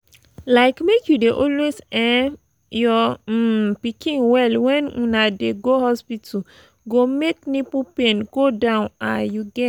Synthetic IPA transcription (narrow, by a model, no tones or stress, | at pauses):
laɪkmekʰjudeʔɔlwesɛ̃n | jɔ | pikĩnwɛlwɛ̃nũnadeɡohɔspitʰ | ɡomeknipupẽnɡ̥odãʊ̃najuɡɛ